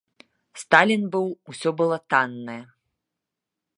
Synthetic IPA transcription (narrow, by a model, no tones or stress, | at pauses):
st̪alʲinbɨwusʲɔbɨlˠɔt̪anːɐjɐ